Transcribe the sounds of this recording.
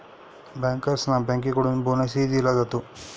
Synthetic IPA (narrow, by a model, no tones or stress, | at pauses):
baːŋkɐɾsnabãŋkikoɽunbonɐs̬id̪ilad͡zat̪u